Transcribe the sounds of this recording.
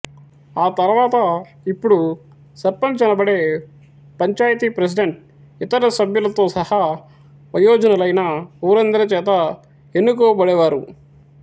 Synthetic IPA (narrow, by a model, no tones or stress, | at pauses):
aːt̪ɐɾʋaːt̪ɐ | ipːuɽu | sɐɾpɐnt͡ʃɐnɐbɐɽe̞ː | pɐɲt͡ʃaːjɐt̪ipɾes̬iɖeɳʈ̚ | it̪ɐɾɐsɐbjulɐt̪o̞ːsɐha | pɐjɔːd͡ʒɐnɐlɐjnɐuːɾɐnd̪ɐɾɐt͡ʃɛːt̪ɐ | enːukoːbɐɽɛːʋaːɾṵ